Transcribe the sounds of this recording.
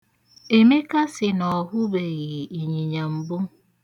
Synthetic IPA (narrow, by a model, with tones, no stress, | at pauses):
e˨me˦ka˦sɪ˨nɔ˨ɦʊ˦be˨ɣi˨i˨ɲi˨ɲa˨m̩˨bʊ˦